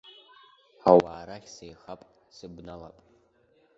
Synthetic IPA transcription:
awaːɾaχʲsejχapʼ | sɨbnala̰pʼ

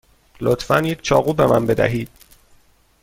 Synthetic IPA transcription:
lot̪fænjecʰt͡ʃʰɒːɣuːbe̞mænbe̞d̪æ̰ɦiːd̪̥̚

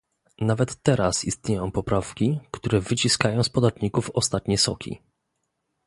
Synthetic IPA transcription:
navɛt̪ːɛɾasist̪ɲejɔ̃w̃pɔpɾafkʲikt̪uɾɛvɘt͡ɕiskajɔ̃w̃spɔd̪at̪ɲikufɔst̪at̪ɲɛsɔkʲḭ

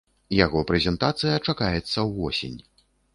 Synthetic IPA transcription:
jaɣɔpɾɛzʲɛnt̪at̪sɨjɐt͡ʂakajɛt̪sːɐwvɔ̰sʲḛnʲ

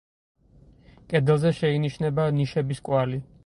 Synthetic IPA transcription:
kʼɛd̪ɛlˠzɛʃɛiniʃnɛbaniʃɛbiskʼwali

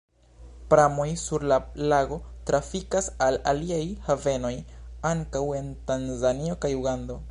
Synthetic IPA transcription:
pɾamo̞jsuɾlalaɡo̞tɾafikasalaliajhave̞no̞jaŋkawe̞ntanzanio̞kajuɡando̞

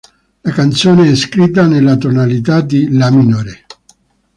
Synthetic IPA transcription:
lakant̪soːneɛskɾit̪̬ːanelːat̪onalit̪ad̪ilaminoːɾe

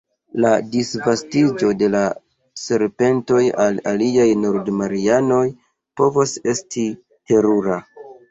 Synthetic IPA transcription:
ladisvastid͡ʒo̞de̞la | se̞ɾpe̞nto̞jalaliajno̞ɾdmaɾiano̞j | po̞vose̞stʰi | te̞ɾuɾa

